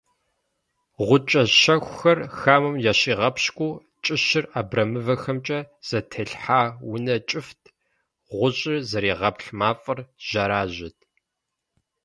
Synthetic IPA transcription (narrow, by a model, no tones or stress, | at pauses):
ʁʷʊt͡ʃʼɐʃɐxʷxɐrxaːmɨmjaɕiːʁɐpɕkʷʼuː | t͡ʃʼɨɕɪraːbrɐmɨvɐxɐmt͡ʃʼɐz̥ɐtʰɐɬħaːwʊnɐt͡ʃʼɪftʰ | ʁʷʊɕʼɪrzɐɾiːʁɐpʰɬmaːfʼɐrʒ̥ɐɾaːʑɪtʰ